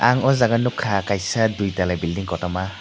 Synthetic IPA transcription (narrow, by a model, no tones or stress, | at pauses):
aŋɔzaɡanukʰakajsadujtalajbildiŋkɔtɔma